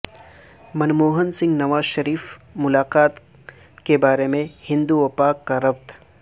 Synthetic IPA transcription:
mɐnmoːɦənsɪ̃ŋɡnɐʋaːzʃɐɾiːfmʊlaːqaːt̪ | kebaːɾemẽhɪ̃nd̪uʋɐpaːkːaɾɐbt̪

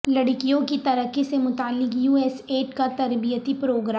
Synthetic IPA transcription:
lɐɽ̤kijõkit̪ɐɾəkisemʊt̪aːlːɪkjuːɛːseːʈkat̪ɐɾbijət̪ipɾoːɡɾaː

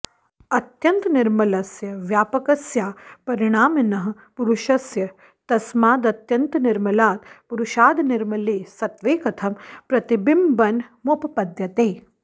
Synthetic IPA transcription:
ɐt̪jɐnt̪niɾmɐlɐsjɐʋjaːpɐkɐsjaːpɐɾiɽ̃aːmɐnɐɦɐ̆ | puɾuʃɐsjɐ | t̪ɐsmaːd̪ɐt̪jɐnt̪ɐniɾmɐlaːt̪puɾuʃaːd̪niɾmɐleːsɐt̪ʋeːkɐt̪ʰɐmpɾɐt̪ibimbɐnmupɐpɐd̪ʱjɐt̪eː

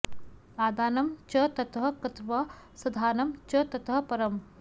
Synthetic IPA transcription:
aːd̪aːnɐmt͡ʃɐt̪ɐt̪ɦɐkɐt̪ʋɐsɐd̪ʱaːnɐmt͡ʃɐt̪ɐt̪ɦɐpɐɾɐm

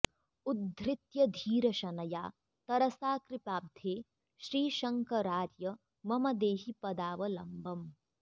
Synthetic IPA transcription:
ud̪ʱɾɪt̪jɐd̪ʱiːɾɐʃɐnɐjaː | t̪ɐɾɐsaːkɾɪpaːb̚d̪ʱjeː | ʃɾiːʃɐŋkɐɾaːɾjɐ | mɐmɐd̪eːɦipɐd̪aːʋɐlɐmbɐm

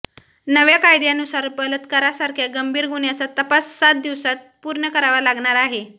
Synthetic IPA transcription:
nəʋjakajd̪janusaɾpələt̪kəɾasaɾkʰjaɡəmbʱiːɾɡuɳjat͡sat̪əpasːat̪̚d̪iʋsat̪̚puɾɳəkəɾaʋalaɡɳaɾaɦe

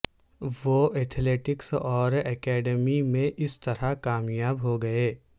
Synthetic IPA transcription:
ʋoːɛːt̪ʰleːʈɪksɔːɾɛːkɛːɖəmimẽʔɪst̪ɐɾakaːmjaːbɦoɡɐeː

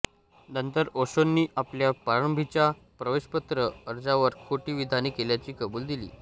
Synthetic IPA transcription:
nənt̪əɾoɕonːiːʔapljapaɾəmbʱit͡ɕa | pɾəʋeɕpət̪ɾəːɾd͡zaʋəɾkʰoʈiːʋid̪ʱaniːkeljat͡ɕiːkəbuːld̪ilḭː

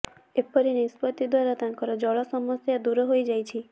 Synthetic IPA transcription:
epɔɾinispɔt̪id̪waɾat̪aŋkɔɾɔd͡ʒɔɭɔsɔmɔsjad̪uɾɔɦojd͡ʒajt͡ʃʰi

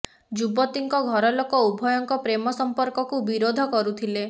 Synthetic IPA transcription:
d͡ʒubɔt̪iŋkɔɡʱɔɾɔlokɔubʱɔjɔŋkɔpɾemɔsɔmpɔɾkɔkubiɾod̪ʱɔkɔɾut̪ʰile

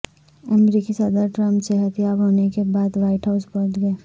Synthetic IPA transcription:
əmɾikisəd̪əɾʈɾə̃mpseɦət̪jaːbɦoːnekebaːd̪ʋaːɪʈɦaʊspɐt̪ɡɐeː

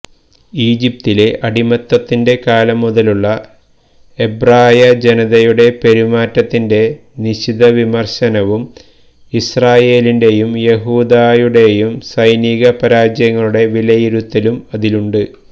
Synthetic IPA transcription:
iːd͡ʑip̚t̪ile̞ʔɐɽimɐt̪ːɐt̪ːinde̞kaːlɐmːuðɐluɭːɐ | e̞braːjɐd͡ʑe̞nɐðɐjuɽe̞pe̞ɾumaːtːɐt̪ːinde̞ | niɕiðɐʋimɐrɕɐnɐʋum | israːje̞ːlinde̞jumje̞ɦuːd̪aːjuɽe̞jumsɐjniɣɐpɐɾaːd͡ʑjɐŋːɐɭuɽe̞ʋilɐjiɾut̪ːɐlumɐðiluɳɖɨ

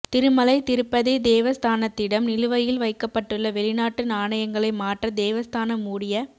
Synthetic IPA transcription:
t̪ɪɾɯmɐlɐɪt̪ɪɾɯpːɐðeːd̪eːʋɐst̪ʰaːnɐt̪ːɪɽɐmnɪlɯʋɐjɪlʋɐɪkːɐpːɐʈːɯɭːɐʋɛɭɪnaːʈːɯnaːɳɐjɐŋɡɐɭɐɪmaːʈrɐd̪eːʋɐst̪ʰaːnɐmuːɽɪjɐ

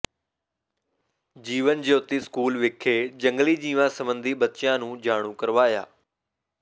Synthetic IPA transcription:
d͡ʑiːʋənd͡ʑeːʊt̪iskuːlʋɪkʰːed͡ʑə̃ŋɡlid͡ʑĩːʋãsəmə̃nd̪ʱiɓət̪t͡ʃjãnũːd͡ʑaːɽ̃ũkəɾʋaːja̰ː

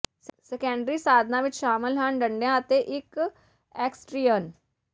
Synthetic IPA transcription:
sɛkɛ̃ːɳɖɾiːsaːd̪ʱnãːʋɪt͡ʃʃaːmɪlɦənɖəɳɖjãːət̪eːʔɪk | ɛːksʈɾiːjən

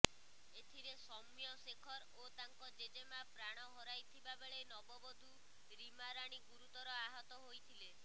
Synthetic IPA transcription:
et̪ʰiɾesɔmjɔsekʰɔɾ | ot̪aŋkɔd͡ʒed͡ʒemapɾaɽ̃ɔɦɔɾajt̪ʰibabeɭejnɔbɔbɔd̪ʱu | ɾimaɾaɽ̃iɡuɾut̪ɔɾɔaɦɔt̪ɔɦojt̪ʰile

